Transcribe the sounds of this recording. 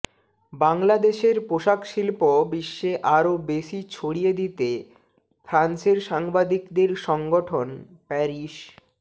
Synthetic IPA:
baŋlad̪eʃeɾpoʃakʃilpobiʃːeʔaɾobeʃit͡ɕʰoɽijed̪it̪e | fʰɾanseɾʃaŋbad̪ikd̪eɾʃɔŋɡoʈʰon | pɛɾiʃ

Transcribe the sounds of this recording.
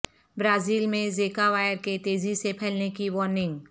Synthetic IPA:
bɾaːziːlmẽzeːkaʋaːjəɾket̪eːzisepʰɛːlnekiʋɔːɾnɪ̃ŋɡ

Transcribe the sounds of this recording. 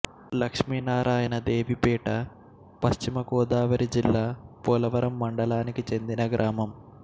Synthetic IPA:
lɐkʂmiːnaːɾʔaːjɐnɐd̪eːʋipiːʈɐ | pɐʃt͡ʃimɐkɔːd̪aːʋɐɾid͡ʒilːaːpɔːlɐʋɐɾɐmːɐɳɖɐlaːnikit͡ʃe̞nd̪inɐɡɾʔaːmɐm

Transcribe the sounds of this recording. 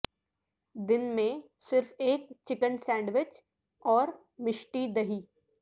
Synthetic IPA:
d̪ɪnmẽ | sɪɾfeːk̚t͡ʃɪkənsɛ̃ːɳɖʋɪt͡ʃ | ɔːɾ | mɪʃʈid̪ɐɦiː

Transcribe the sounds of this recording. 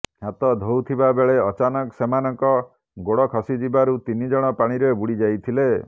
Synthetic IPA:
hat̪ɔd̪ʱowt̪ʰibabeɭeɔt͡ʃanɔksemanɔŋkɔ | ɡoɽɔkʰɔsid͡ʒibaɾut̪inid͡ʒɔɽ̃ɔpaɽ̃iɾebuɽid͡ʒajt̪ʰile

